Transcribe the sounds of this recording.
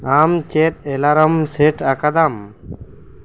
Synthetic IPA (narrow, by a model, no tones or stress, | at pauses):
amt͡ʃɛʈ̚ɛlaɾɔmsɛʈakad̪am